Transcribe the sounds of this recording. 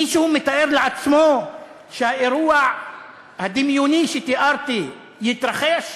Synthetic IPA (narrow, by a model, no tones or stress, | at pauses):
iʃuhumɪt̪aʔeɾlʕat͡sːmoː | ʃhaʔɪɾuːaʕ | had̪ɪmjuniʃɪt̪iʔɑɾˤt̪i | jɪt̪ɾˤɑxeʃ